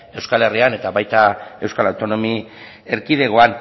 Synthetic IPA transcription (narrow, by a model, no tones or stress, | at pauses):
e̞wskale̞riane̞t̪aβajt̪ae̞wskalawt̪o̞no̞mi | eɾkið̞e̞ɣo̞an